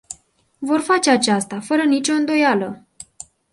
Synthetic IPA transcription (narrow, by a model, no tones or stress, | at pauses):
vo̞rfat͡ʃe̞at͡ʃast̪afəɾənit͡ʃo̞ɨnd̪o̞jalə